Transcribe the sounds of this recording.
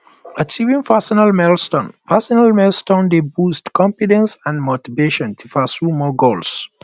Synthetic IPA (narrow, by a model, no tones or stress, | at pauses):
at͡ʃivĩŋfasɔnalmɛlstõnfasɔnalmɛlstõndebustkʰɔ̃mfidɛ̃nsãnmotiveʃɔ̃ntʰufasumɔɡols